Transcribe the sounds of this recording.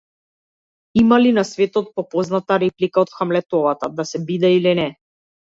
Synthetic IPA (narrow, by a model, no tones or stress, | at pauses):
imalinasvɛt̪ɔt̪̚pɔpɔznat̪aɾɛplikaɔt̪xamlɛt̪ɔvat̪ad̪asɛbid̪ɛilinɛ